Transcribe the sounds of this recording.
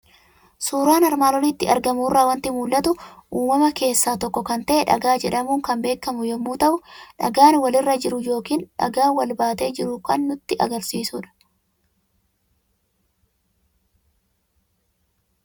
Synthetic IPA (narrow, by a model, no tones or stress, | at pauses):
suːɾaːnɐɾmaːlɔnɪt̪ːɪɐ̰ɾɡɐmuːrːaːwɐnt̪ɪmuːlːɐt̪ʊʔuːmɐmɐke̞ːsːaːt̪ɔkːɔkɐnt̪ɐʔɛᶑɐ̰ɡaːd͡ʒɛᶑɐmuːŋkɐmbe̞ːkːɐmʊjɔmːuːt̪ɐʔʊᶑɐ̰ɡaːnwɐlɪrːɐd͡ʒɪɾʊjo̞ːkiːnᶑɐ̰ɡaːwɐlbaːt̪e̞ːd͡ʒɪɾʊkɐnːʊt̪ːɪʔɐ̰ɡɐɾsiːsʊːᶑɐ̥